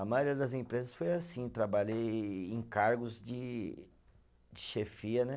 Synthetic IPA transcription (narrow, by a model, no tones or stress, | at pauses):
ɐmajoɾiɐd̪ɐzẽmpɾezɐsfojasĩt̪ɾabaʎejẽkaɾɡʊzd͡ʒɪ | d͡ʒɪʃefiɐnɛ